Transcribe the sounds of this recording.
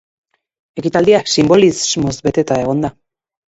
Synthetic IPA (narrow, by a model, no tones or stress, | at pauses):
e̞kit̪ald̪iasimbo̞lizmo̞zbe̞t̪e̞t̪ae̞ɣo̞nd̪a